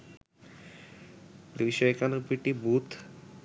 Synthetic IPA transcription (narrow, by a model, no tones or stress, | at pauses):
d̪iiʃɔekanopiʈibut̪